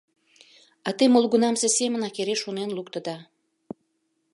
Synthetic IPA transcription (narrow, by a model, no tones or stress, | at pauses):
ɑt̪emolˠɣunɑmsesemə̆nɑkeɾeʃonenlukt̪ə̆d̪ɑ